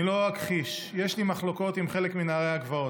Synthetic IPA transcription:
iloakχiʃje̞ʃlimaχlo̞ko̞t̪imχe̞lekminaːʁeaɡvao

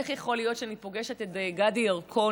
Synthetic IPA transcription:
eχjeχo̞lijo̞tʃeanipo̞ɡeʃetedeɡadijaʁkʰo̞

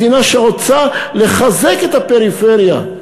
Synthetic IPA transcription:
inaʃeʁot͡sale̞χaze̞ket̪ape̞ʁife̞ʁja̰

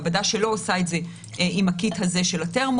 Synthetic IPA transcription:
vadaʃe̞lo̞osaetze̞ | ʔimakithaze̞ʃe̞late̞ʁm

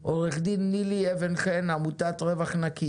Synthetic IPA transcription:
ʔoʁeχd̪inːilievenχenamutatʁevaχnaki

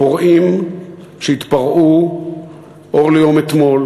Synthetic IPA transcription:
poʁʔim | ʃeit̪paʁʔu | ʔo̞ʁlejo̞met̪mo̞l

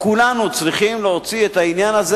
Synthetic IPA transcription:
kulanut͡sʁiχimleot͡siet̪ainjanaze

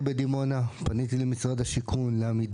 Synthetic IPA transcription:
bed̪imo̞napanit̪̬ilemisʁadaʃikʰunleamid

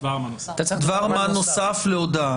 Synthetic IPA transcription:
vaa | t̪dvaʁmanosafleod̪a

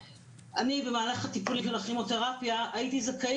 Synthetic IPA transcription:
ʔanibe̞maːlaχat̪ipulimʃelaχimot̪eʁapjaːit̪izaka

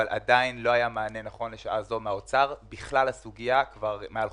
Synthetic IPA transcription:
alʔa̰dainlo̞ajamaːne̞naχo̞nle̞ʃaʔazo̞meaot͡saʁbiχlalhasuɡijakvaʁmeal

